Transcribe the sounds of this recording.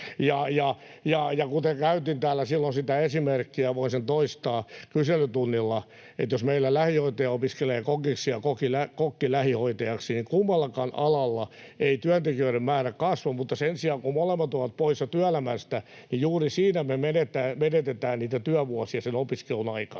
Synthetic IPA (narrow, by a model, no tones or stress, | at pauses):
jɑjɑ | jɑjɑkut̪eŋkæyt̪int̪æːlːæsilːonsit̪æesimerkːiæʋoisent̪oist̪ɑːkyselyt̪unːilːɑ | ḛt̪josmeilːælæhihoit̪ɑjɑopiskeleːkokiksiɑkokilækokːilæhihoit̪ɑjɑksinikumːɑlːɑkɑnɑlɑlːɑeit̪yænt̪ekiøiɾemmæːrækkɑsʋomut̪ːɑsensiɑːŋkumolemːɑt̪oʋɑt̪̚poisjɑt̪yælæmæst̪æ | nijuːrisiːnæmemenet̪æːmenet̪et̪æːnniːt̪æt̪yæʋuɑsiɑsenopiskelunɑikɑ̥